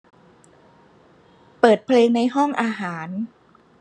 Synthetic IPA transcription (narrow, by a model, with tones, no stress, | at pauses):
pɤː˨˩t̪̚pʰleː˧ŋna˧jɦɔ˥˩ŋʔaː˧ɦaː˩˦n